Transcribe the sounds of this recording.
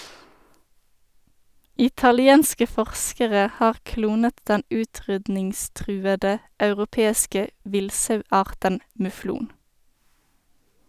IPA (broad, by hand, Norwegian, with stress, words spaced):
ɪtɑlɪˈeːnskə ˈfɔʁskəʁə ˈhɑːʁ ˈkluːnət ˈdɛn ˈʉːˌtʁʏdnɪŋˌstʁʉːədə ɑʉʁʊˈpeːskə ˈʋɪlsɑʉˌɑːʁtən mʉˈfluːn